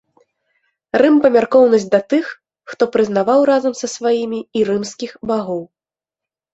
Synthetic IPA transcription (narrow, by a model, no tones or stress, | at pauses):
rɨmpɐmʲarkɔwnɐsʲd̪ɐt̪ɨxː | t̪ɔpɾɨznavawɾazɐmsɐsvajimʲiːɾɨmskʲixbaɣɔw